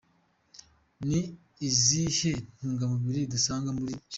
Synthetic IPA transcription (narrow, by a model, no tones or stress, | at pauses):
niː | zihen̥uːŋɡamuβiɾidusaːŋɡamuɾit͡ʃ